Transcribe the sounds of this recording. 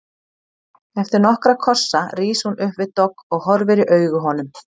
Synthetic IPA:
ɛft̪ɪɾnɔhkɾakʰɔr̥sːariːshunʏhpvɪðt̪ɔkːɔɣɦɔɾvɪɾɪʔœːɥɣʏɦɔnʏm

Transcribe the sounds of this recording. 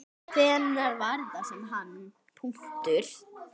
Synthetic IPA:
fʰvɛːnaɾvaɾðasɛmɦanː | pʰu̥t̪ʏɾ̥

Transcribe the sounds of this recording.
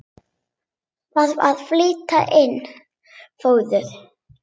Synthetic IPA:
θaðaðfliːt̪aʔɪnː | foːwðʏɾ̥

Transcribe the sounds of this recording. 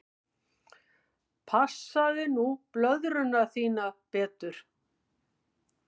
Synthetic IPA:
pʰasaðɪnuplœðɾʏnaθiːnapɛːt̪ʏɾ̥

